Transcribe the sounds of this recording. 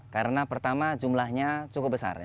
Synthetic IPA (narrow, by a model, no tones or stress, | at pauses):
kaɾənapərt̪amad͡ʒumlahɲat͡ʃukʊp̚bəsa̰r